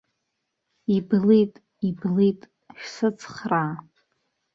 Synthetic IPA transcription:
iblitʼ | iblitʼ | ʃᶣsɨt͡sʰχra

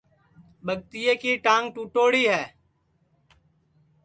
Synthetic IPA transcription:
ɓʱəɠ̚t̪ɪjeːkiːʈãːŋɡ̚ʈuːʈoːɽiːɦɛː

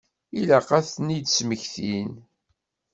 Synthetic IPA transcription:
ilæqæθnid̪sməçθin

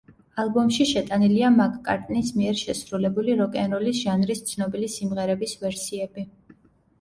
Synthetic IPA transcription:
alˠbɔmʃiʃɛt̪ʼaniliamakʼkʼa̰ɾt̪ʼnismiɛɾʃɛsɾulɛbuliɾɔkʼɛnɾɔlisʒ̥anɾist̪sʰnɔbilisimʁɛɾɛbisvɛɾsiɛbi

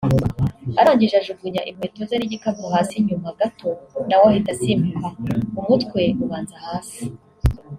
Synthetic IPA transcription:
aɾaːɲɟiʒaʒuɡuɲaʔim̥heːtozaɾiɟikabɾohaːsiɲumaɡatʰo̞nawahitasimukaumutkwe̞uβaːnzahaːsi̥

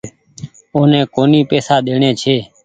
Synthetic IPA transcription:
oːnẽːkoːniːpeːsaːɗ̪eːɳeːt͡ʃʰeː

